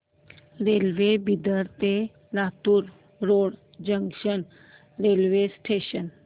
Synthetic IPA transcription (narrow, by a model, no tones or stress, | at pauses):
ɾelʋebid̪əɾt̪e | lat̪uːɾ | ɾoɽ | d͡ʑəŋkʂən | ɾelʋesʈʰeɕən